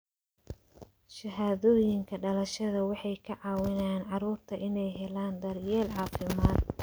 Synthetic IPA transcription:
ʃɐɦaːðɔːjɪŋkʰɐɖɐlɐʃɐðɐwɑħɑjkʰɐʕɑːwɪnaːnʕɑɾuːrt̪ʰɐʔɪnɛjɦɛlaːnd̪ɐrjɛːlʕɑːfɪmaːd̪

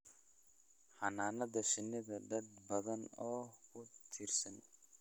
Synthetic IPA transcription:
hɐnaːnɐðɐʃɪnːɪðɐɖɐd̪bɐðɐnɔːkʰʊt̪ʰiːrsɐn

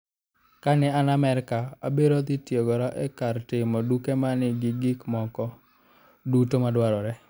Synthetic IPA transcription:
kanɛanamɛɾkaa̰biɾɔd̪ɪtjeɡɔɾaʔɛkartɪmɔdukemanɪɡɪɡɪkmɔkɔ | dutomadwaɾɔɾɛ

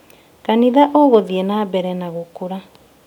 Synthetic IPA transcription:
kaniðaʔɔɣoðiɛnabɛɾɛnaɣokoɾa

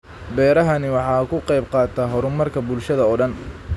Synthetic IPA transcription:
bɛːɾɐɦɐnɪwɑħɑːkʰʊqɑjbqɑːt̪ʰaɦɔɾʊmɐrkʰɐbʊlʃɐðɐɔːɖɐn

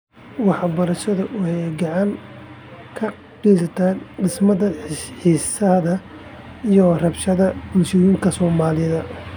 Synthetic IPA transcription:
wɑħɑbɐɾɐʃɐðɐʔʊhɛjɡɑʕɑŋ | kʰɐ | ɡɛsɐt̪ʰaːɖɪsmɐðɐħisɐðɐ | ijɔrɐbʃɐðɐmʊsɪjiːŋkʰɐsɔːmaːlɪðɐ

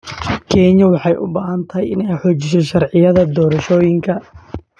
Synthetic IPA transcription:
kʰɛːɲɐwɑħɑjʔʊ̰baːɦɐnt̪ʰɐjɪnɛjħɔːt͡ʃɪʃ̬ɔʃɑrʕɪjɐðɐd̪ɔːɾɐʃɔːjɪŋkʰɐ

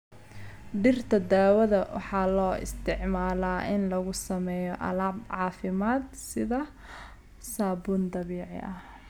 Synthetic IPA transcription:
ɖɪrt̪ʰɐd̪aːwɐðɐwɑ̰ħɑːlɔːɪ̰st̪ʰɪʕmaːlaːʔɪnlɐɣʊsɐmɛːjɔʔɐlaːbʕɑːfɪmaːd̪ | sɪðɐ | saːbʊːnd̪ɐβiːʕɪ̰ʔɐh

